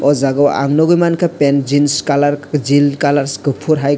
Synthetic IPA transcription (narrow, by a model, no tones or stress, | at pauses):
ɔzaɡɔwa̰ŋnɔɡɯjmankʰapend͡ʒinskalaɾd͡ʒilkalaɾsɡɯpʰuɾɦaj